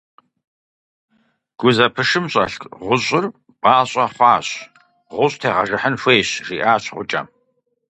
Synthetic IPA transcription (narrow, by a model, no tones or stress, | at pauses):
ɡ̥ʷʊzɐpʰɨʂɨmɕʼɐ̰ɬkʁʷʊɕʼɪr | pʼaːɕʼɐχʷɑːɕʼ | ʁʷʊɕʼtʰeːʁɐʒɨħənfʷeːɕriːʔaːɕʁʷʊt͡ʃʼɐ̰m